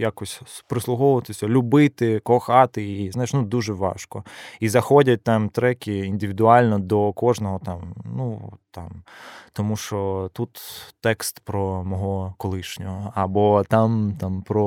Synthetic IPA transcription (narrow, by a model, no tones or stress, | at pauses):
jakɔsʲpɾɪslˠʊɦɔʋʊʋɐt̪ɪsʲɐlʲʊbɪt̪ɪkɔxɑt̪ɪiznajʃnud̪uʒɛʋɑ̰ʃkɔizɐxɔdʲɐt̚ʲt̪ɑmt̪ɾɛkʲiinʲd̪ɪʋʲid̪ʊɑlʲnɔd̪ɔkɔʒnɔɦɔt̪ɑmnut̪ɑmt̪ɔmuʃt͡ʃɔt̪ut̪t̪ɛkst̪pɾɔmɔɦɔkɔlˠɪʃnʲɔɦɔɐbɔt̪ɑmt̪ɑmpɾɔ